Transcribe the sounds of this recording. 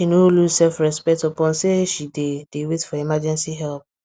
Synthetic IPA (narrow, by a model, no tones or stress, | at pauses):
ʃinõlusɛlfɹɛspɛtɔpɔ̃nseʃided̥ewetfɔimad͡ʒɛ̃nsiɦɛlp̚